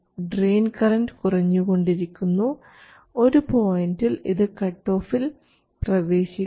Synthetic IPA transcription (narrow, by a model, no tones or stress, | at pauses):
ɖreːnkɐrɐndɨkurɐɲːuɣo̞ɳɖiɾikʲːunːu | o̞ɾupo̞ːjindiliðɨkɐʈːo̞ːfil | prɐʋe̞ːɕi